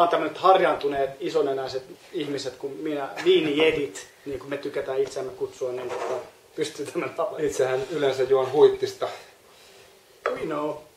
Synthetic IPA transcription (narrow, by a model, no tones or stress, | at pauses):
ɑːnt̪æmːønet̪hɑrjɑnt̪uneːt̪isonenæiset̪ihmiset̪kumminæʋiːniedit̪ | niːŋkumet̪ykːæt̪æːit̪seæmːekut̪suɑniːnt̪uot̪ɑ | pyst̪yːt̪ʰæmːent̪ɑpɑit̪sehænylensæjjuɑnhuit̪ːist̪ɑ | inoʊ